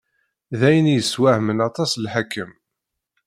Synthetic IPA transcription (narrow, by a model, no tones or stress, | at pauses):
ðæjənjəswæhmənɑt̪ˤɑslħakːəm